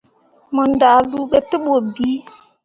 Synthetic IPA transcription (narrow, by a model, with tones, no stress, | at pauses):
mɔ˨nda˨lu˦ɓe˦tə˦ɓo˨biː˦